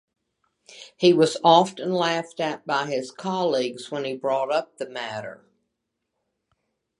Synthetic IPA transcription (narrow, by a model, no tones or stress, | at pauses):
hiwʌzɑftɨ̃nlæftɨt̚b̥aɪɪz̥kʰɑlˠiɡz̥wə̃nibɹɔɾʌp̚ðɨmæɾə̰˞